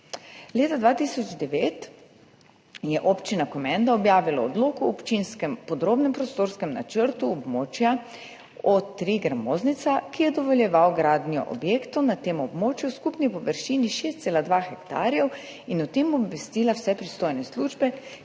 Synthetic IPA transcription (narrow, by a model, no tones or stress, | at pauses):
leːt̪ad̪ʋaːt̪isɔd͡ʒd̪ɛʋeːt̪ | jɛʔopt͡ʃinakɔmɛnd̪aɔbjaːʋilaɔd̪loːkɔːpt͡ʃinskɛmpɔd̪ɾoːbnɛmpɾɔst̪oːɾskɛmna̰t͡ʃəɾt̪uɔbmoːt͡ʃja | ɔt̪ɾiɡɾamoːznit̪sakijɛd̪ɔʋɔljɛʋawɡɾaːd̪nijɔ̰ʔɔ̰bjeːkt̪ɔnat̪eːmɔbmoːt͡ʃjuskupnipɔʋəɾʃiːniʃeːst̪seːlad̪ʋaxɛkt̪aːɾjɛw | inɔt̪emɔbʋɛst̪ilawsɛpɾist̪oːjnɛsluːʒbɛ